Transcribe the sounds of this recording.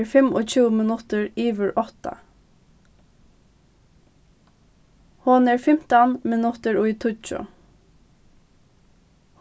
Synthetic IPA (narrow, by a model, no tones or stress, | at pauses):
ɹfɛmɔt͡ɕuːmɪnʊt̪əɹiːʋəɹʔɔht̪a̰ | hʊnɛːɹfɪm̥t̪ɑnmɪnʊt̪əɹʊːit̪ʰʊt͡ʃʊ̰ | h